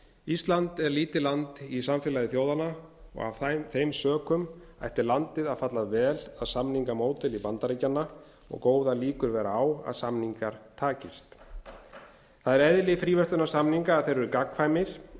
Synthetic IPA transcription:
ist̪lant̪ɛɾliːt̪ɪlant̪isamfɪːlajðɪθjoːwðanaɔ̰ɣa̰vθejmsœːkʏm | a̰jht̪ɪlant̪ɪðaðfat̪laðvɛːlaðsamniŋkamoːwt̪ɪlipant̪aɾejcːanːa | ɔ̰ɣkoːwðaliːkʏɾvɛːɾaaːwa̰ðsamniŋkaɾ̥t̪ʰaːcɪst̪ | θaðɛɾɛðlɪfɾiːvɛst̪ʏnasamniŋkaːðθejɾvʏɾʏkakŋfajmɪɾ̥

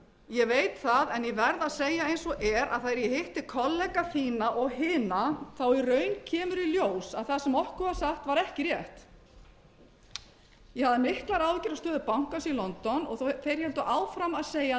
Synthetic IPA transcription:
jɛvejt̪θaðɛnjɛvɛɾðaðseːjaejnsɔʔɛɾa̰ðθajɾjɛhɪht̪ɪkʰɔlːɛkaθiːnaʔɔɣhɪːnaθawirœːɥncʰɛːmʏɾiljoːwsaðθasɛmɔhkʏvasaxt̪vaɾɛhcɪrjɛht̪ | jɛhaðɪmɪhklaɾawðʏcɪɾast̪œːðʏpawŋ̥kansilɔnt̪ɔnɔ̰ɣθejɾ̥hɛlt̪ʏʔaːwfɾamaðseːja

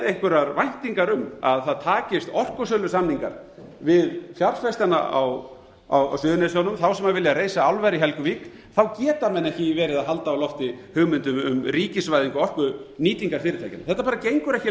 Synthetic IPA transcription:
ejhŋkvʏɾaɾvajn̥t̪iŋkaɾʏmaðθaðt̪ʰaːcɪst̪ɔr̥kʏsœlʏsamniŋka̰ɾ̥ | vɪðfjaɾsfɛst̪ana̰a̰w | awa̰wsʏːðʏnɛsjɔwnʏmθawsɛmaɣvɪljaɾejsaawlvɛɾɪɦɛlkʏviːk | θawcɛːt̪amɛnːɛhcɪvɛːɾɪðaðɦalt̪aːwlɔft̪ɪhʏɣmʏnt̪ʏmʏ̰mriːcɪsvajðiŋkɔɔr̥kʏniːt̪iŋkaɾ̥fɪːɾɪt̪aːjcɪnaθɛht̪apaːɾacejŋkʏɾɛhcɪ

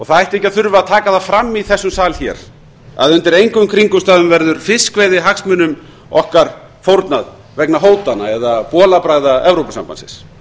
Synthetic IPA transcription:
ɔɣθaajht̪ɪehcːaθʏɾvaaðt̪ʰaːkaðafɾamːiθɛsːʏmsaːlçɛ̰ːɾ̥ | a̰ðʏnt̪ɪɾejŋkʏmkʰɾiŋkʏst̪aːðʏmvɛɾðʏɾ̥fɪskveːjðɪɦaksmʏnʏm | ɔhkaɾ̥ | fowɾt̪nað | vɛknaɦoːwt̪anaɛðapɔːlapɾaːɣðaɛvɾowpasa̰mpansɪ̰ns

